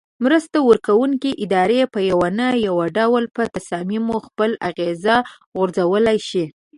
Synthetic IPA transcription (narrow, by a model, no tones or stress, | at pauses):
mɾəst̪awəɾkawuŋkiʔɪd̪ɑɾepəjawanəjawaɖawlpət̪asɑmimoxpəlaɣeza | ɣʊɾzawəlajʃi